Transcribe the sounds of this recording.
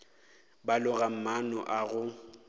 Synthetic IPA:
balʊɣam̩manɔ̰ʔaɣʊ

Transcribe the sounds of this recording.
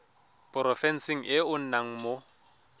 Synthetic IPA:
pʼɔrɔfɛn̩siŋ̩ʔɪʊn̩naŋ̩mo

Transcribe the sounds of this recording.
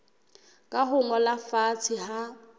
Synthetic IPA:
kʼaɦʊŋɔlafat͡sʰɪha

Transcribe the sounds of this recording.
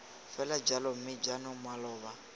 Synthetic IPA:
fɛlad͡ʒalɔm̩mɪd͡ʒanʊmwalɔːβa

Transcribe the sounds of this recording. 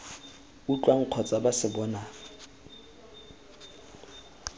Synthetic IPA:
ut͡ɬʼwaŋ̩q͡χʰɔt͡sʼabasɪbɔːna

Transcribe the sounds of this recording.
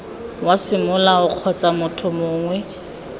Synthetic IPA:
wasɪmʊlaʊq͡χʰɔt͡sʼamʊtʰʊmʊːŋwɛ

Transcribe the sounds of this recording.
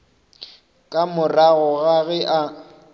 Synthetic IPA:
kʼamʊraɣɔɣaɣɛʔa

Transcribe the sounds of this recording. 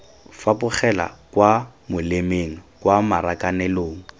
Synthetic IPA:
fapʊχɛla̰kwamʊlemeŋ̩kwamaɾakanɛloːŋ̩

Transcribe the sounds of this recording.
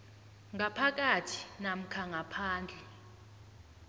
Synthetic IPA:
ŋapʰak̬ʼatʰi̥nam̩kʰaŋɡʱapʰaːnd͡ɮʱɛ

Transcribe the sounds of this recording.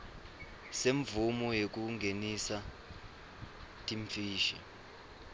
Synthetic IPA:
seɱvumɔjek̬uŋɡʱenisa | tʼiɱfiːʃa̰

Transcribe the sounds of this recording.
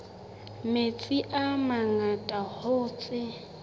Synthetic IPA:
met͡sʼiʔamaŋatʼahoːt͡sʼɪ

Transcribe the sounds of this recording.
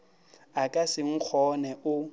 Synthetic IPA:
akʼasɪŋ̩k͡xʰɔnɛʔʊ

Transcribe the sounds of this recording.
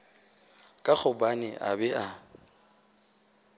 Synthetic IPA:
kʼak͡xʰʊbanɪʔa̰bɛʔa

